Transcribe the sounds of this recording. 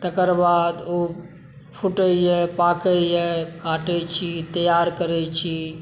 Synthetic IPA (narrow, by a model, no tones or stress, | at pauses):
t̪əkəɾbad̪o | pʰuʈəjɛpakəjɛkaʈɛt͡ʃʰit̪əjaɾkəɾɛt͡ʃʰi